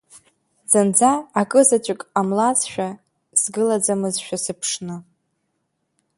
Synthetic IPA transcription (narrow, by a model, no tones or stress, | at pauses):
z̥and͡zaːkʼɨzat͡ʃʷʼɪkʼamlat͡sʃᶣa | sɡɨlad͡zamɨzʃᶣasɨpʰʂnɨ